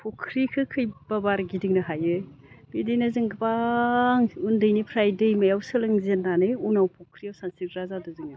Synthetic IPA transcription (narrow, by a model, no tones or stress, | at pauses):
pʰokʰɾikʰɯkʰɯjbabaɾɡidiŋnɯɦajɯj | b̥idijnɯzɯŋɡbaŋundɯjnipʰɾajdejmɐjawsɯlɯŋzenːanejunawpʰokʰɾiawsansik̚ɾazadɯzɯŋna